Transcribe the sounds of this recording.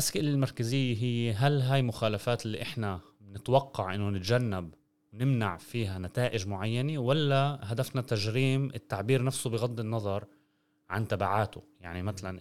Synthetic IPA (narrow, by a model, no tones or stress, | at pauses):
ʔaskɪʔlɪlmɑɾˤkazɪjːeɦɪjːeɦalɦaːjmʊxaːlafaːt̪lːḭːʔɪħna | nɪt̪wɑqːɑʕʔɪnːʊnɪt̪ʒanːab | wnɪmna̰ʕfiːɦanat̪aːʔɪʒmʊʕajːanewalːaɦad̪afnat̪aʒɾiːmʔɪt̪ːaʕbiːɾnafsubɪɣɑd̪ˤːɪnːɑðˤɑɾˤ | ʕant̪abaʕaːt̪ʊ̰jaʕnimat̪alan